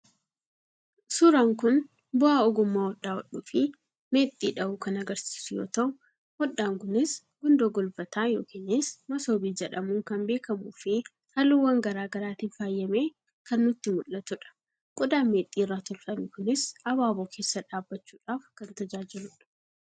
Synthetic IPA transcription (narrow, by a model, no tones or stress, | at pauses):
sʊɾaːŋkʊn | bʊaːɔɡʊmːaːwɔɗːaːwɔᶑuːfɪ | me̞ːt̪ʼːiːᶑɐʔʊkɐnɐɡɐɾsi̥ːsʊjo̞̰ːt̪ɐʔʊ | hɔɗːaːŋkʊnɪs | ɡʊnd̪oːɡɔlbɐt̪aːjoːkiːnɪsmɐso̞ːbiːd͡ʒɛᶑɐmuːŋkɐmbe̞ːkɐmuːfɪ | hɐlʊwːɐŋɡɐɾaːɡɐɾaːt̪ɪnfaːjːɐmeː | kɐnːʊt̪ːɪmʊlːɐt̪ʊᶑɐ̥ | kʼɔd̪aːnmeːt̪ʼːiːrːaːt̪ʊlfɐmikʊnɪsɐbaːboːkʰe̞ːsːɐᶑaːbːɐt͡ʃːuːᶑaːfkɐnt̪ɐd͡ʒaːd͡ʒɪɾʊᶑɐ̥